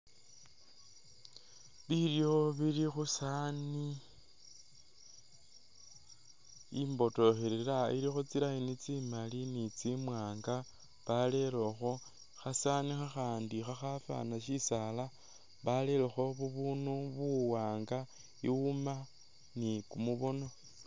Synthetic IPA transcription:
βiljo̞βilixusani | imbo̞to̞xeɾeɾaḭɾixot͡siɾainit͡simalinit͡simwaːŋɡa | βale̞lo̞xo̞ | xasanixaxaːndixaxafa̰naʃisala | βale̞lexo̞βuβunuβuwaːŋɡa | iuma | nikumuβo̞no̞

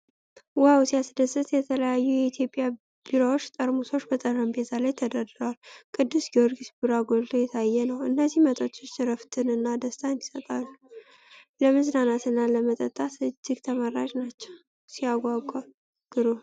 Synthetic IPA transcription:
wawsijasd̪əsɨt̪jɛt̪ʰələjajːujɛit̪ʰjo̞pʼja | b̥iɾowot͡ʃːt̪ʼəɾmuso̞t͡ʃːbət̪ʼərːəmbet̪ʰalajt̪ʰəd̪ad̪ɨɾəwalkʼɨd̪ːɨsɡoɾɡisbɨɾaɡolt̪ʰojɛt̪ʰajːɛnəwɨnːəzːihmət̪ʼot͡ʃːot͡ʃːɾəft̪ʰɨnɨnːad̪əst̪ʰand̪i̥sət̪ʼalːu | ləmɨznanat̪ɨnːaləmət̪ʼət̪ʼːat̪ɨd͡ʒːɪɡt̪ʰəmaɾaʒnat͡ʃːɛw | siaɡʷaɡʷʼal | ɡ̥ɨɾo

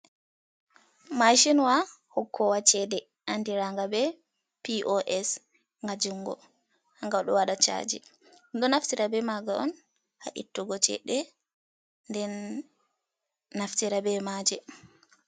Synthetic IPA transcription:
maʃinwa | hɔkʰːɔwat͡ʃɛɗɛ | ʔandiɾaŋɡabɛ | piʔɔʔɛs | ŋɡad͡ʒuŋɡɔ̰ | haŋɡaɗɔwaɗat͡ʃa̰d͡ʒɛ̰ | ɗɔnaftiɾabɛmaɡaɔn | haʔḭtːuɡɔt͡ʃɛ̰ɗɛ | ndɛn | aftiɾabɛmad͡ʒɛ

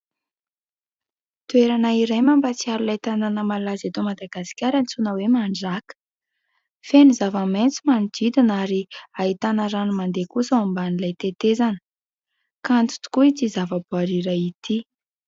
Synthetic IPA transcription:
t̪ueɾanaiɾejmambat͡siaɾulajt̪ananəmalazat̪omad̪aɡasi̥kʲaɾant͡sunəwemaɳɖ͡ʐakə̥ | fenizavəment͡simanid̪̥id̪inaɾiait̪anaɾanimand̪ekusəambanilajt̪et̪ezanə̥ | kant͡s̪u̥t̪u̥kuit͡sizavəbuaɾiɾait̪i

